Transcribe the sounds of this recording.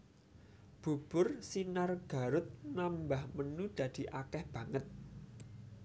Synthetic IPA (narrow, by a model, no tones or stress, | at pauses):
b̥ṳb̥ʊrsinarɡ̥a̤ɾʊt̪̚nambahmənud̪̥ä̤d̪̥i̤ʔakɛhb̥ä̤ŋət̪̚